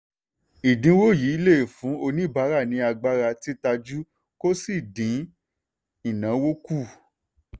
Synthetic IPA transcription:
i˨dĩ˨˦wo˦˨ji˨˦i˦le˦˨fũ˨˦o˧nĩ˦˨ba˨˦ɾa˦˨nĩ˧a˧ɡ͡ba˦ɾa˧ti˦ta˧d͡ʒu˦ | ko˦si˦˨dĩ˨˦ | i˨nã˨˦wo˦ku˦˨

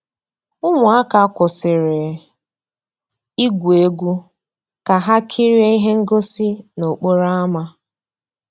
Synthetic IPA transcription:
ʊ˦ŋʊ˨˦a˦ka˨˦kʷʊ˨sɪ˨ɾɪ˨ | i˦ɡʷu˨e˦ɡʷu˦ | ka˨ɦa˦kʰi˦ɾi˦e˦i˦ɦe˦ŋ̩˦ɡo˦si˦no˨k͡po˦ɾa˦a˦ma˦

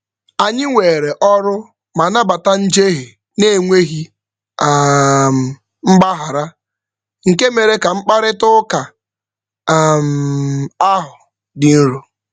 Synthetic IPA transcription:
a˨ɲɪ˦ŋʷe˨ɾe˨ʔɔ˦ɾʊ˦ | ma˨na˦ba˨ta˦n̩˦d͡ʒe˦ɦe˨ | ne˦˨ŋʷe˦ɦi˦˨ | m̩˨ | m̩˦ɡ͡ba˦ɦa˨ɾa˦ | ŋ̩˨ke˦me˨ɾe˦ka˨ŋ͡m̩˦k͡pa˦ɾɪ˦tʊ˦ka˨ | m̩˨a˦ɦʊ˨ | dɪ˨n̩˦ɾu˨

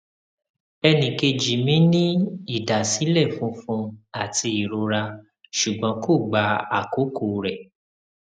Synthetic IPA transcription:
ɛ˧nĩ˨ke˧d͡ʒi˨mĩ˦nĩ˦i˦˨da˨si˨˦lɛ˦˨fũ˨˦fũ˧a˨ti˧i˨ɾo˧ɾa˧ | ʃu˨ɡ͡bɔ̃˨˦ko˦˨ɡ͡ba˧˦a˦˨ko˨˦ko˨ɾɛ˨

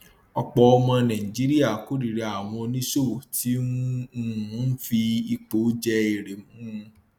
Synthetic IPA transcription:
ɔ˧k͡pɔ˧ɔ˧mɔ̃˧nã˨ĩ˨d͡ʒi˨˦ɾi˦a˦˨ko˨˦ɾi˨ɾa˨a˨w̃ɔ̃˧o˧nĩ˦ʃo˦˨wo˨tʰi˦ũ˦ũ˦˨˦n̩˦fi˧i˧k͡po˨˦d͡ʒɛ˧i˨ɾe˨mũ˦˧

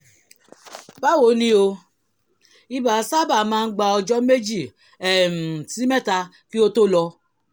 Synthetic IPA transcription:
ba˦wo˨˦nĩ˦o˧ | i˦ba˨˦sa˦ba˨mãː˦n̩˦ɡ͡ba˧ɔ˧d͡ʒɔ˦me˦d͡ʒi˦˨ | ɛ˨m̩˨ti˦mɛ˦ta˧ | ki˦o˦to˦lɔ˧

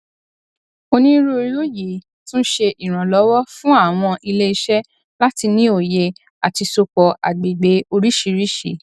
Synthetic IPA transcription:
o˧nĩ˦ɾu˦o˧ɾi˦o˦ji˨ | tũ˦ʃe˧ʔi˨ɾ̃ã˨lɔ˨˦wɔ˦fũ˦a˦˨w̃ɔ̃˧ʔi˧le˦i˧ʃɛ˦ | la˦ti˧nĩ˦o˨je˧ | a˨ti˧so˧k͡pɔ˨ʔa̰˨ɡ͡be˨ɡ͡be˨˦o˧ɾi˦ʃi˧ɾi˦ʃi˨

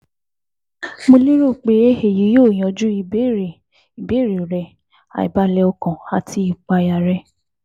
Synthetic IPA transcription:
mo˧li˦ɾo˦˨k͡pe˨˦e˦he˨ji˨˦joː˦˨j̃ɔ̃˨d͡ʒu˦i˧˨be˦ɾe˨ | i˨be˨˦˨ɾi˨ɾɛ˨ | a̰˨ḭ˨ba˨˦lɛ˧ɔ˧kɔ̃˨a˨tʰi˧˦i˨k͡pa˧ja˨ɾɛ˧

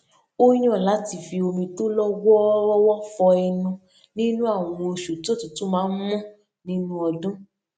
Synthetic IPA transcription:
o˦ɲ̃˦ɔ̃˦˨la˨˦ti˦˨fi˧o˧mĩ˧to˦lɔ˦wɔ˦wɔ˦wɔ˦fɔ˧ɛ˧nũ˧ | nĩ˦nũ˦a˦˨w̃ɔ̃˧o˧ʃu˨ti˦o˦˨tũ˨tu˦mãː˨˦n̩˦mɔ̃˦ | nĩ˦nũ˦ɔ˧dũ˦

